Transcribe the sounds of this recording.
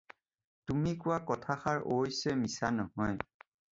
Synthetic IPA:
tumikʊwakɔtʰaxaɹojsɛmisanɔhɔj

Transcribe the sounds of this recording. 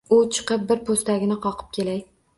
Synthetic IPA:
ʊt͡ʃʰɨ̥qɨp̚bɪɾpʰost̪aɡʲɪnɪqʰɒqʰɨ̥p̚kʲʰe̞laj

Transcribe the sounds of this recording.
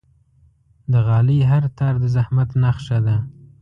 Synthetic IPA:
d̪əɣɑliɦaɾt̪ɑɾd̪əzahmat̪naxʃad̪a

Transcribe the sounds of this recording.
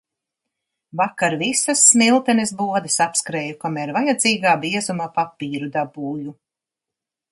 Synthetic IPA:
vakaɾvisasːmilˠt̪ɛnesbuɔd̪ɐsapskɾɛːjukamɛɾvajad̪ziːɡaːbiɛzumapapiːɾud̪abuːju

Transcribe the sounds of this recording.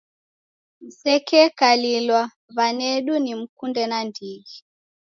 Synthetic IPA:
m̩sɛkɛkalilwa | βanɛɗunim̩kundɛnandiɣi

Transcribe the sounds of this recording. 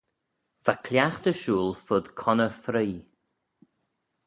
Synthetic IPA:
fakʰljaxt̪əʃuːlˠfʊd̪̥kʰɔnəfɾiː

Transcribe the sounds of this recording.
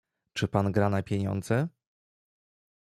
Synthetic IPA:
t͡ʂɘpanɡɾanapʲjeɲɔ̰nd̪zɛ

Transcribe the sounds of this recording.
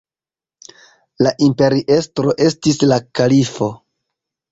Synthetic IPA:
laʔimpe̞ɾiʔe̞stɾo̞ʔe̞stislakalifo̞

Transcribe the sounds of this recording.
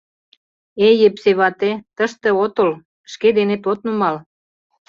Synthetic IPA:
ejepseβɑt̪et̪əʃt̪ĕot̪ol | ʃked̪enet̪ot̪numɑl

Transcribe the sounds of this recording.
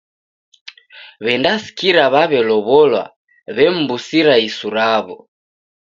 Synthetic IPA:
βɛndasi̥kiɾaβaβɛlɔβɔlwa̰ | βɛm̩busiɾaisuɾaβɔ̰

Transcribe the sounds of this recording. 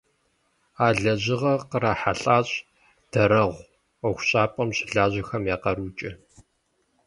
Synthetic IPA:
aːɮɐʑɪʁɐqəɾaħaɬʼaːɕʼ | d̥ɐɾɐʁʷ | ɐxʷʊɕʼaːpʼɐmɕʼɪɮaːʑɐxɐmjaːqɐɾuːt͡ʃʼɪ

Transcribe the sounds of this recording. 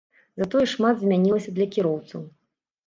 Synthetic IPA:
zat̪ɔjɛʂmad̪zʲmʲanʲilˠɐsʲɐd̪lʲɐkʲiɾɔwt̪sɐw

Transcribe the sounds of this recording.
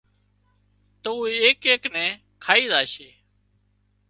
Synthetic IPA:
t̪əuːeːkeːknɛ̃ː | kʰaːiːd̪aːʃeː

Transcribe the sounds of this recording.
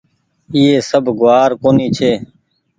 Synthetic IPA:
iːeːsəbʱɡʊaːɾkoːniːt͡ʃʰeː

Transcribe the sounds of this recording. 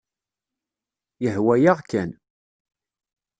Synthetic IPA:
jəhwæjaʁkæn

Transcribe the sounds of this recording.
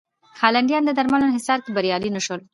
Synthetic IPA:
xɑlaɳɖjɑnd̪əd̪aɾmalonhɪsɑɾkebaɾjɑlinəʃol

